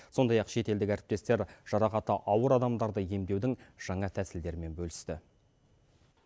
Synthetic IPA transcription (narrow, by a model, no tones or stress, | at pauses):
so̞nd̪ɑjɑqʃe̞t̪e̞ld̪ɪkʲæɾɪp̚t̪e̞st̪e̞ɾʒ̥ɑɾɑqɑt̪əʔɑwəɾɑd̪ɑmd̪ɑɾd̪əje̞md̪e̞wd̪ɪŋʒ̥ɑɴɑt̪ʰæsɪld̪e̞ɾɪme̞nbɵlɪst̪ɪ